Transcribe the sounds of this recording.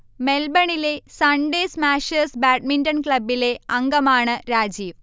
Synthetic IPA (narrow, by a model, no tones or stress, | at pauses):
melbɐɳileːsɐɳɖeːsmaːʃɐsbaːʈmiɳʈɐnklɐbːileːɐŋɡɐmaːɳɨɾaːd͡ʑiːʋ